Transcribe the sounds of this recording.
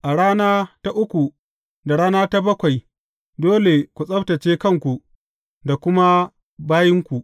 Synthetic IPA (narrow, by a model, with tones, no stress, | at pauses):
ʔa˨ɽaː˦naː˦ta˦ʔʊ˦kʷu˨ | da˨ɽaː˦naː˦ta˦bɐ˦kʷa˨j | doː˦le˨kʷu˨sʼɐ˦ɸtɐ˨t͡ʃeː˦kɐ˦˨ŋkʷu˨ | da˨kʷʊ˦ma˦ | baː˦jɪ˦ŋkʷu˨ʔ